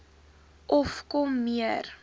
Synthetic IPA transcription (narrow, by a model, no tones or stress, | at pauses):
ʔɔfkɔmːiər